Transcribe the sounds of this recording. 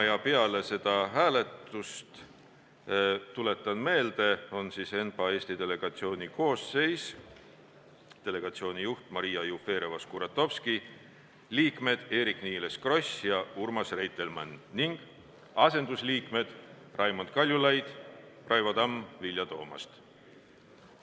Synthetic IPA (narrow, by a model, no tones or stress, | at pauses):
ɑjɑpeɑle̞se̞d̪̥ɑɦæːle̞t̪ˑust̪ | t̪ule̞t̪ːˑɑnme̞ːld̪̥e̞o̞nsise̞npɑe̞ːsʲt̪it̪e̞le̞ɡ̥ɑt̪sio̞ːnʲiko̞ːsːe̞js | t̪e̞le̞ɡ̥ɑt̪sio̞ːnijuht̪mɑɾijɑjufe̞ːɾevɑskuɾɑt̪ːo̞fski | liːkme̞d̪̥e̞ːɾikniːleskro̞sjɑurmɑsrejt̪ːˑe̞lmɑnːiŋɡ̥ | ɑse̞nd̪usliːkme̞d̪̥ | rʔɑjmo̞nd̪̥̚kɑlʲjulɑjd̪̥rɑjvɑd̪ɑmvilʲjɑt̪o̞ːmɑ̰st̪